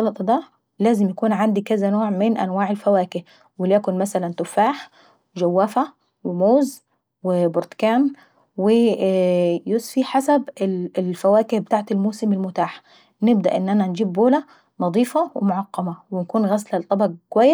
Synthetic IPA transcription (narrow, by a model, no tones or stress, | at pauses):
ɑlɑt̪ˤɑd̪æː | læːzɪmjækuːnʕand̪ikæzænoːʕmɪnʔæ̰nwaːʕelfæwæːkɪh | wɪljækʊnmæsælænt̪ʊfːaːħ | wd͡ʒæwːæːfæ | wɪmoːz | wɪboɾt̪kæːn | wɪ | josfiħasæbɪlfæwæːkɪhbet̪aːʕt̪elmoːsɪmɪlmʊt̪aːħ | nɪbd̪æʔɪenːʔænænd͡ʒiːbːoːlæ | nɑd̪ˤiːfɑwɪmʊʕɑqːɑmæwɪnkuːnɣæslælt̪ˤːɑbɑɡ̚kowæjːes